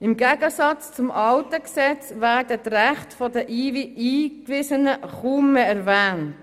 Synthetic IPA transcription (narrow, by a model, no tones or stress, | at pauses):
ɪmɡæɡəsɑt͡st͡sʊmʔɑltəksɛt͡sʋæːrdətræχtfɔdəʔiːviiːkʋɪsənəχuːmːeɛɾvæːnt